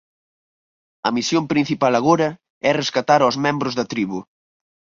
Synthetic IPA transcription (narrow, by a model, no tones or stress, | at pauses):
ɐmisjompɾĩn̟θipalɐɣoɾɐ | ɛreskat̪aɾozmɛ̃mbɾʊzðɐt̪ɾiβu